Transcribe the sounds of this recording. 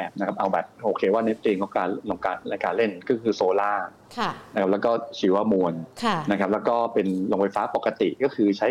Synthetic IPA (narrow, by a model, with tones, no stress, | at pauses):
ɛː˨˩p̚na˦˥kʰa˦˥p̚ʔa˧wbɛ̰ː˨˩p̚ʔoː˧kʰeː˧waː˥˩ne˦˥t̪̚liː˧ŋkɔː˥˩kaː˧˩lo˧ŋkaː˧nla˧kaː˧˩le˥˩nkɔ˥˩kʰɯː˧soː˧laː˥˩ | kʰa˦˥kʰa˦˥lɛː˦˥wkɔː˥˩t͡ɕʰiː˩˦wa˧˩mu˧ənkʰna˦˥kʰa˦˥p̚lɛː˦˥wkɔː˥˩pe˧nlo˧ŋfʰa˧jfaː˦˥pa˨˩ka˧t̪i˨˩ʔkɔː˥˩kʰɯː˧t͡ɕʰa˦˥